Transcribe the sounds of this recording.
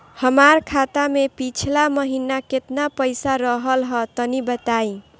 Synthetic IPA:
həmaɾkʰat̪amepit͡ʃʰlaməɦinaket̪napəjsaɾʌɦəlɦʌt̪ənibət̪aĩ

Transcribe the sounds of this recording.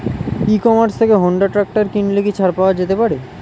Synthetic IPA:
ikɔmaɾst̪ʰekeɦoɳɖaʈɾak̚ʈaɾkinlekit͡ɕʰaɾpaoad͡ʑet̪epaɾe

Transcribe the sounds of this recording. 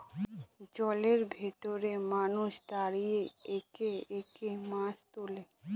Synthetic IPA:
d͡ʑɔleɾbʱet̪oɾemanuʃd̪aɾijeekeekemãʃt̪ole

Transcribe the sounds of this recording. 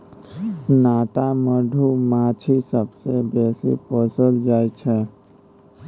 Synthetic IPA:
naːʈaməɖʱumat͡ʃʰisəbsebeːsḭpəsəld͡ʒaːjt͡ʃʰɛ

